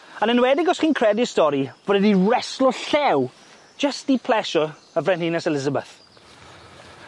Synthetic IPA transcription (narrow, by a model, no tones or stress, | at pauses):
anənwɛdɪɡɔsχiːnkʰr̥ɛdiəstɔɾivɔdɛdiɹɛslˠɔɬɛw | d͡ʒəstipʰlɛʃɔ | əvrɛnhinɛsɛlɪzəbɛ̰θ